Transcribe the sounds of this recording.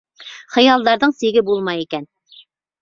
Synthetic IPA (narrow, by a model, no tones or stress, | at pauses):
χɤ̆jɑlˠd̪ɑɾðɤɴsiɡɘbulˠmɑjikæn